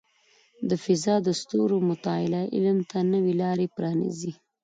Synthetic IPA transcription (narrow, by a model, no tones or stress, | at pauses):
d̪əfɪzɑd̪əst̪oɾomʊt̪ɑɪlaʔɪ̰lmt̪ʰanəwelɑɾepɾɑnḭzi